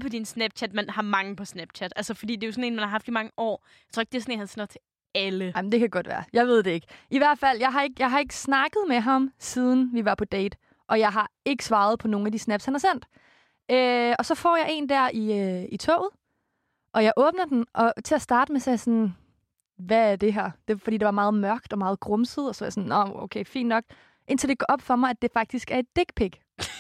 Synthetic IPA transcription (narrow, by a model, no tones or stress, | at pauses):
pʰɒ̽d̥insnæb̥̚t͡ɕʰæd̥mænhɑ̈mɑ̈ŋ̩pʰɒ̽snæb̥t͡ɕʰæd̥ælsəfɒd̥ḭːd̥e̝josɔ̽ne̝ːnmænhɑ̈ɦɑ̈fd̥imɑ̈ŋəʔɒ̰ː | jɑt͡sʰo̰ːeɡ̥̚d̥esɔnenhænsenɐt͡sʰe̝ | æləɪmndekʰædɡ̥ɒ̽d̥ʋæ̰ːɐjɑ̈ɪʋe̝ð̞̰ˠd̥e̝e̝ɡ̥ʔiʋæɐ̰d̥fæl̰jɑ̈ɪɦɑ̈e̝ɡ̥jɑ̈ɪɦɑ̈e̝ɡ̥ə̥snɑ̈ɡ̥ð̞̩ˠmeɦɑ̈msiːð̞ˠn̩ʋiʋɑ̈pʰɒ̽d̥eɪd̥ | ʔɒ̽jɑ̈ɪɦɑ̈e̝ɡ̥ə̥sʋɑ̈ːð̞̩ˠpʰɒ̽no̝ːŋ̩æd̥isnæb̥shænhɑ̈sen̰d̥ | øɒ̽sɒ̽fɒ̰ːjɑ̈ɪe̝̰ːnd̥æɐiøit͡sʰɔ̰ːʊð̩ˠ | ʔɒ̽jɑ̈ɪʔɔ̽ːb̥nɐd̥enʔɒ̽t͡sʰe̝læsd̥ɑ̈ːd̥əmesɑɪsɒ̽n | ʋææɐd̥e̝ɦæɐ̰d̥e̝fɒd̥ḭːd̥eʋɑ̈mɑ̈ːð̞̩ˠmɶɐ̰ɡ̥̚d̥ɒ̽mɑ̈ːð̩ˠɡ̥ʁɔ̽msəð̞̩ˠɒsɒsɒnɒo̰ʊkʰeɪfḭnd̥nɒ̽ɡ̥ | ʔe̝n̰t͡sʰe̝l̩ˠd̥e̝ɡ̥ɒʔɒ̽b̥fɒ̽mɑ̈ɪæd̥e̝fɑ̈ɡ̥̚d̥isɡ̥æɐe̝d̥ːe̝ɡ̥pʰeɡ̥